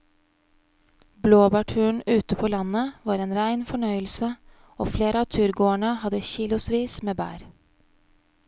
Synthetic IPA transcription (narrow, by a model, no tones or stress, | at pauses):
bloːbɑʈʰʉːɳ̩ʉːt̪əpʰoːlɑnəʋɑːɾeːnɾæɪnfɔɳœʏəlsə | oːfleːɾʔəɑːt̪ʰʉːɾɡoːəɳəhɑd̪əçiːlʊsʋiːsmeːbæ̰ːɾ